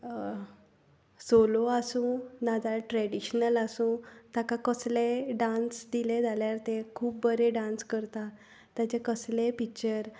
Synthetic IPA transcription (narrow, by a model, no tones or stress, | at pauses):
soloasũnad͡zaɭʈɾɛɽiɕnəlasũːt̪jakãkəsleɖãnsd̪iled͡zʱaljaɾt̪ekʰuːp̚bəɾeɖãnskəɾt̪a | t̪jat͡ɕekəslepikt͡ɕəɾ